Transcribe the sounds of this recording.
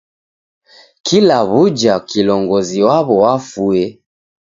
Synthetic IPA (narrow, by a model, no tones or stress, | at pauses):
kʰilaβud͡ʒakilɔŋɡɔziwaβɔwafuɛ